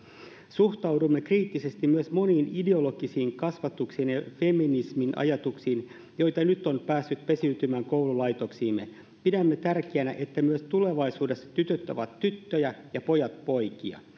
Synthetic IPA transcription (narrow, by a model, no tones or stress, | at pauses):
suxt̪ɑwdumːe̞kriːt̪ːise̞st̪immyøsmo̞niːnide̞o̞lo̞ɡisiːŋkɑsʋɑt̪uksiːnjɑfe̞minisminʔɑ̰jɑt̪uksiːn | jo̞jt̪ɑnyt̪ːo̞npæːsːyt̪pe̞syːt̪ymæːŋko̞wlulɑjt̪o̞ksiːmːe̞̰ | pidæmːe̞t̪ærk̟iænæʔe̞t̪ːæmyøst̪ule̞ʋɑjsuːde̞sːɑ̥t̪yt̪øt̪ːæʋɑt̪ːyt̪ːøjæjɑpo̞jɑt̪̚po̞jkiɑ̰